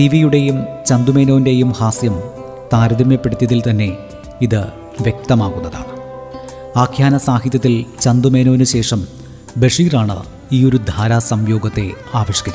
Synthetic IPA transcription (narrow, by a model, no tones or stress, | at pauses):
tiʋijuɽe̞jumt͡ɕɐnd̪ume̞ːno̞ːnde̞jumhaːsjɐm | t̪aːɾɐðimjɐpːeɽut̪ːjɐðilt̪ɐnːe̞ | iðɨ | ʋjek̚t̪ɐmaːɣunːɐða̰ːɳɨ | aːkʰjaːnɐsaːhit̪jɐt̪ːilt͡ɕɐnd̪ume̞ːnoːnɨɕe̞ːʂɐm | beʂiːraːɳɨ̰ | iːo̞ɾud̪ʱaːɾaːsɐmjo̞ːɡɐt̪ːe̞ | aːʋɐɕjɐ̥kɐt͡ɕː